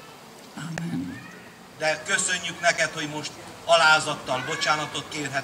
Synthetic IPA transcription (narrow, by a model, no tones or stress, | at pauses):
amːɛn | d̪ɛkø̞sø̞ɲːyknɛkɛt̪ho̞ɟmo̞ʃt̪ɒlaːzɒt̪ːɒlbo̞t͡ʃaːnɒt̪o̞t̪̚keːrɦɛ